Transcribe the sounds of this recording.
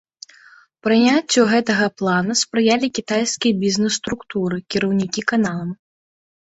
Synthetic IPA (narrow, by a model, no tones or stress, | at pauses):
pɾɨnʲat͡sʲːuɣɛt̪ɐɣɐplˠanuspɾɨjalʲikʲit̪ajskʲijɐbʲiznɛsːt̪ɾukt̪uɾɨkʲiɾɐwnʲikʲikanalˠɐm